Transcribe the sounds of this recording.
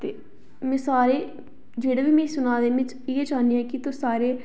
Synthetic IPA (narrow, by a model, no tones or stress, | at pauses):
t̪eː | mɛ̃ːsaːɾeː | d͡ʒeːɽeːbiːmɛ̃ːsʊnãːd̪eːʋɪt͡ʃ | ɪeːt͡ʃaːniɛ̃ːkit̪osaːɾeː